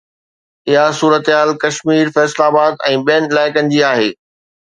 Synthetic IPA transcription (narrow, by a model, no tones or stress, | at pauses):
ɪɦasuːɾət̪ɪɦaːlkɐʃmiːɾfɛːslaːbaːd̪ɛ̃ːɓijənɪlaːɪkə̃nɪ̆d͡ʑiaːɦeː